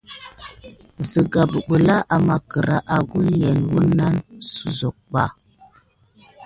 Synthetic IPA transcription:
zə˨ɡa˨bə˨ɓə˨la˦ʔa˨ma˨kə˨ɾa̰˦ʔa˨ɡu˦lje˨nwu˦nːa˦nsu˨zo˨k̚ɓa̰˨

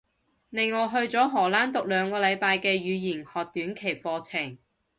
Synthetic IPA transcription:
nɪ˨ŋːɔː˨˧ɦɵ˧ɥt͡sɔː˨˥ɦɔː˨˩laː˥nt̪ʊ˨k̚lœː˨˧ŋkɔː˧lɐ˨˧jpaː˧jkɛː˧ɥyː˨˧jiː˨˩nhɔː˨k̚t̪yː˨˥nkʰe˨˩jfɔː˧t͡sʰɪ˨˩ŋ

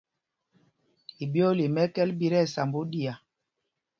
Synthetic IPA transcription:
i˨bi˦ɔ˦li˨mɛ˦kɛ˦lbi˦ɾɛ˦˨sa˨mbo˦di˨a˨

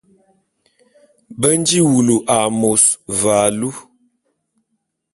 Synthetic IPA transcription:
bə˦n˦d͡ʒi˦wu˨lu˨ʔa˨mo˨sva˨lu˦

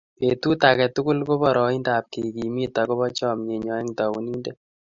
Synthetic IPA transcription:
pe˨tu˦ta˨kɛ˨tʊ˦kʊ˦lko˦pɔ˨ɾɔ˨i˦nda˨p̚ki˨ki˨mi˦ta˨ko˦βɔ˦t͡ʃɔ˦mɲe˨ɲɔ˨ɛ˦ŋtɔ˨wu˨ni˦ndɛ˦

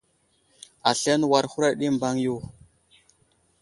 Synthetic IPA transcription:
a˨ɬe˦nwa˨ɾxu˦ɾa˦ɗi˦mba˦ŋju˦˨

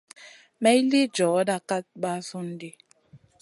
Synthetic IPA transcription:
me˦i˦li˦d͡ʒɔ˨˦da˦ka˦t̚ɡ͡ba˦sʊ˦n̩˦dɪ˦

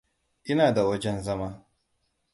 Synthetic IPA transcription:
ʔɪ˦naː˨da˨wɐ˦d͡ʒɛ˦nzɐ˦maː˦

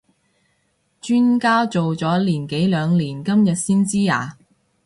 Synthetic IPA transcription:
t͡ʃyː˥nkaː˥t͡so˨wt͡sɔː˨˥liː˨˩nke˨˥jlœː˨˧ŋliː˨˩nkɐ˥mjɐ˨t̚siː˥nt͡siː˥a̰ː˨˩

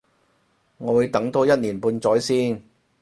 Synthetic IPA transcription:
ŋɔː˨˧wu˨˧jt̪ɐ˨˥ŋt̪o˧jɐ˥t̚niː˨˩npuː˧nt͡sɔː˨˥jsiː˥n

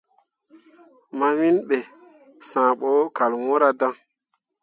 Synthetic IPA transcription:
ma˨wĩ˦nɓe˨ | sãː˨ɓo˨˦ka˨lwɔ̃˦ɾa˦da˦ŋ

